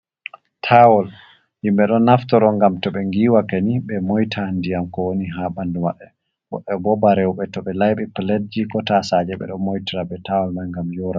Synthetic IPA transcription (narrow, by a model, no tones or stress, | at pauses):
tʰawɔl | jimɓɛɗɔnːaftɔɗɔŋɡamtɔɓɛŋɡiːwakeniɓɛmojtʰandijamkɔwoniɦaɓanduma̰ɓːɛ | wɔ̰ʔɛbɔbaɾɛwɓɛtɔɓɛlajɓɛpled̚d͡ʒikɔtasad͡ʒɛɓɛ̰ɗɔnmojtiɾabɛtawɔlmanŋɡamjɔɾa